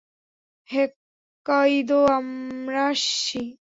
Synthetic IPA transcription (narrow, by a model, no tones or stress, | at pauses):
hekː | ajd̪oamɾaʃi